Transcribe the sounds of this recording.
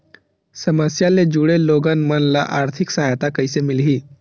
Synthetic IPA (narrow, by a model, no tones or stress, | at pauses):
səməsjaled͡ʒuɽeloːɡanmənlaʔaːɾt̪ʰɪksəɦajt̪akəɪsemɪlɦiː